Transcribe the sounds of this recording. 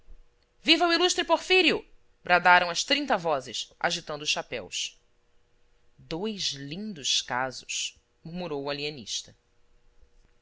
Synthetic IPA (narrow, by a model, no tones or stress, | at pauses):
vivɐwiluʃt̪ɾɪpoɾfiɾiʊ | bɾad̪aɾɐ̃w̃ɐʃt̪ɾĩnt̪ɐvɔzɪsʔa̰ʒit̪ɐ̃nd̪ʊːʃapɛ̰ws | d̪ojzlĩnd̪ʊʃkazʊʃ | muɾmuɾowaliɐ̃nḭʃt̪ɐ